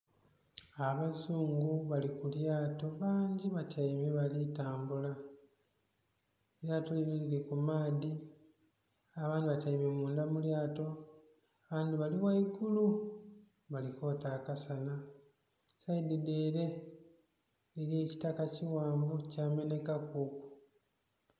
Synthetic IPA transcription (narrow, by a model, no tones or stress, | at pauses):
aβazuːŋɡuβalikuljaːto̞βaːɲɟiβacaimeβalitaːmbula | ejatolinolilikumaːdi | aβaːndiβacaimemuːndamuljaːto̞ | aβaːndiβaliβwaiɡulu | βaliko̞ːtaːkasana | saidideːɾe̞ | ɾieci̥takaciwaːmbocaːme̞ne̞kakuku̥